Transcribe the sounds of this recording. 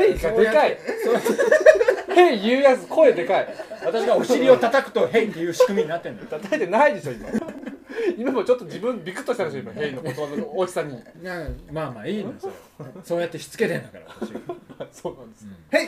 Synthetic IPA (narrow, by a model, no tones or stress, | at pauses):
heiad̪ekaiso | hejɯːjat͡sɨkʰoed̪e̞kaiβat̪aɕiɡaoɕiɾʲio̞t̪at̪akɯ̟̥t̪o̞ɦẽit̪ːejɯ̟ːɕi̥kɯ̟miiɲ̟inat̪ːẽ̞nt̪at̪aet̪e̞naid̪e̞ɕo̞ima̰ | imamo̞t͡ɕo̞t̪ːod͡ʑibɯ̟̃nbʲikɯ̟t̪ːoɕi̥t̪aɾaɕoimahẽinokot̪o̞banonooːd͡ʑi̥saɲ̟i | maːma̰ːiːnoso̞ːjat̪ːe̞çi̥t͡sɨ̥ke̞t̪ẽ̞nd̪akaɾaihasoːnãnd̪eshe